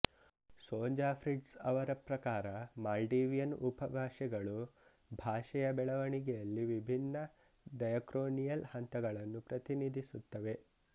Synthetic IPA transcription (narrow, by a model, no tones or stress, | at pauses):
soːɲd͡ʒaːfʰɾiɖsɐʋɐɾɐpɾɐkaːɾɐmaːlɖiːʋijɐnupɐbʱaːʂɛɡɐɭu | bʱaːʂɐjɐbɛɭɐʋɐɳiɡɛjɐlːiʋibʱinːɐ | ɖɐjɐkɾoːnijɐlhɐnt̪ɐɡɐɭɐnːupɾɐt̪inid̪ʱisut̪ːɐʋe̞